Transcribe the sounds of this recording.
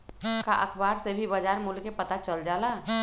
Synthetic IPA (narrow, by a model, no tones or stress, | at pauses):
kaʔəkʰbaːɾsebʱibəd͡ʒaːɾmʊlkepət̪at͡ʃəld͡ʒaːlaː